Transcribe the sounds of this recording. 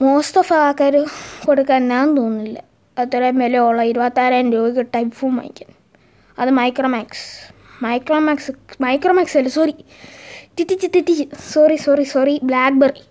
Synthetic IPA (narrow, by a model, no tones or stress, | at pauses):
moːst̪ɐfaaːkːaːɾukoɽukːaːnnaːnt̪oːnːilːɐ | ɐt̪ːoɾemeleoɭːɐiɾuʋat̪ːaːɾaːndoːkiʈːajpfuːma̰ːjḭkʲːɐn | ɐðɨmɐjkroːmaːks | mɐjkroːmaːksɨmɐjkromaːksɐlːɐsori | t̪it̪ːit̪ːit̪ːit̪ːisorisorisoriblaːk̚bɐri